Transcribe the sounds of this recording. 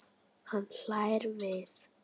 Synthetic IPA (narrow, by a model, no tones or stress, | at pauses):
hanɬaːjɾvɪð